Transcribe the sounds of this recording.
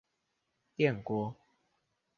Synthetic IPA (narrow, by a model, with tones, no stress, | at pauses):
t̪jɛ˥˨ŋkwɔ˦